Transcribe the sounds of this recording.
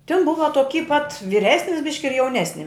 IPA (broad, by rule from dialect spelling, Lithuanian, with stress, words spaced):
tʲɪn ˈbʊʋɐ toːˈkʲiː pɐt ʋʲɪˈrʲæːsʲnʲɪs ˈbʲɪʃʲkʲɪ ɪr jɛʊˈnʲæːsʲnʲɪ